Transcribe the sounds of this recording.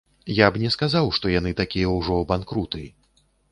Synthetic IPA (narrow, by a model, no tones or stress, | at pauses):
jabnʲɛskazawʂt̪ɔjan̪ɨt̪akʲijɛwʐɔbankɾut̪ɨ